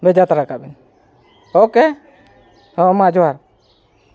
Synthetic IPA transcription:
bɛd͡ʒat̪aɾakabɛn | ɔkɛ | hɔmad͡ʒɔwaɾ

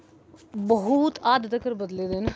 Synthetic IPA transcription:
bəɦut̪aːd̪d̪əkəɾbəd̪leːd̪ɪn

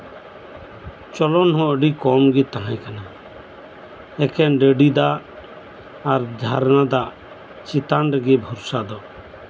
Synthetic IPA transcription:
t͡ʃɔlɔnɦɔ̃əɖikɔmɡit̪aɦãj̃kana | ɛkɛnɖəɖid̪a | ɾd̪ʱaɾnad̪a | t͡ʃit̪anɾəɡɛbʱɔɾsad̪ɔ

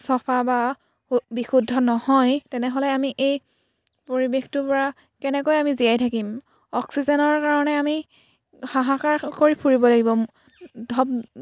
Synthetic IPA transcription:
sɔpʰaba | bixudʱːɔnɔhɔjtɛnɛɦolɛamiʔej | poɹibextʊpɔɹa | kɛnɛkojamizijajtʰakim | ɔksizɛnɔɹkaɹɔnɛami | xaɦakaɹkoɹipʰuɹibɔlaɡibɔ | dʱɔb

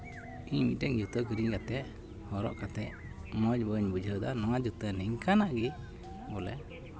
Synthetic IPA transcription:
iɲmḭʈɛŋd͡ʒut̪ɔɡɾiɲɡat̪ɛʔ | hɔɾɔ̰ʔkat̪ɛʔ | mɔd͡ʒbəɲbud͡ʒʱəd̪anɔwad͡ʒut̪ənɛŋkʰanaʔɡi | bɔlɛ̰

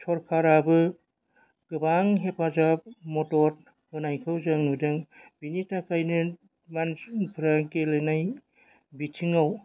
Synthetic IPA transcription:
tʰɔɾkʰaɾabɯ | ɡ̥ɯbaŋɦepʰazap̚mɔtɔɾ̚ | bɯnajkʰɯwzɯŋnudɯŋb̥initakʰajnɯ | manpʰɯɾakelɯnaj | bitʰiŋaw

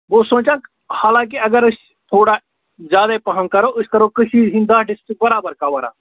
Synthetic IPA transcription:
ʋoːsõːt͡ʃãːk | haːlãːk̬iɐɡəɾʊs | t̪ʰoːɽa | zjaːd̪epɐɦə̃ŋkɐɾoːʊskɐɾoːkəʃiːd͡ʒɦĩnd̪aːɖɪsʈɪk̚bɐɾaːbəɾkaʋɐɾa̰ː

